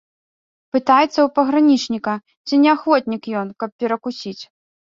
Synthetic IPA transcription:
pɨt̪ajɛt̪sːɐwpɐɣɾanʲit͡ʂnʲikɐ | t͡sʲinʲɛaxvɔt̪ʲnʲikjɔnkɐp̚pʲɛɾɐkusʲit͡sʲ

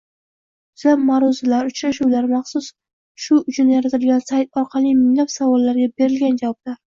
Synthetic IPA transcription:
ʊz̥amːaɾɒzɪlaɾʊt͡ʃɾaʃuwlaɾmɑχsʊs | ʃʊʊt͡ʃʰʊnjaɾat̪ʰɪlɡʲansajt̪ɒɾqʰɑlˠijmɪŋlapsavɒlːaɾɡʲabe̞ɾɪlɡʲand͡ʒavɒb̚d̪aɾ

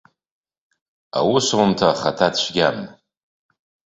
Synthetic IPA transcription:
a̰wʊswʊmtʰaχatʰat͡ʃʷʰɡʲam

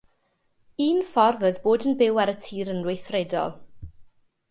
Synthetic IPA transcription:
iːnfɔrðəðboːdənbɪwaɾətʰiːɾənrwejθrɛdɔ̰lˠ

